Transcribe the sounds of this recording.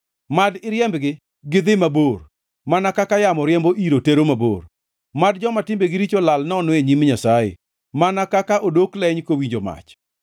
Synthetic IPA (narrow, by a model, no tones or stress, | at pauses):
madɪɾjɛmbɡɪ | ɡɪd̪ɪmabor | manakakajamɔɾjɛmboʔiɾoteɾomabo̰r | mad̚d͡ʒɔmatɪmbeɡɪɾit͡ʃolalnɔnoeɲimɲasajḛ | manakakaʔodoklɛɲkowiɲd͡ʒoma̰t͡ʃ